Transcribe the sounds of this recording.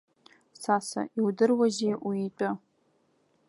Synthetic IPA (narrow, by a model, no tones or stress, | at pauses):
sasa̰ʔiwdɨrwaʒejʔuitʼɨ